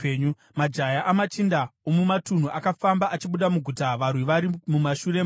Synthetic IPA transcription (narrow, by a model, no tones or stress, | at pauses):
ɲu | mad͡ʒajaʔamat͡ʃindaomumatun̤uʔakafambaʔat͡ʃiɓuɗamuɡʱutaʋarwiʋaɾimumaʃure̞m